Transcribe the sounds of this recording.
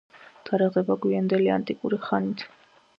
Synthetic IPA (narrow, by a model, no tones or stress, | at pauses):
d̪̥aɾɛʁɛbaɡwiand̪ɛlia̰nt̪ʼikʼuɾiχanit̪ʰ